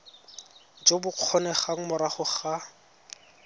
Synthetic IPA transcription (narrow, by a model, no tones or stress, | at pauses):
d͡ʒobʊq͡χʰɔnɛχaŋ̩mʊɾaχʊχa